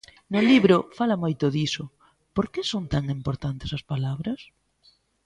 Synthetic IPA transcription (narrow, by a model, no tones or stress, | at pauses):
nʊliβɾʊfalɐmojt̪ʊðisʊ | poɾkesont̪aŋimpoɾt̪ant̪ɪsɐspalaβɾɐs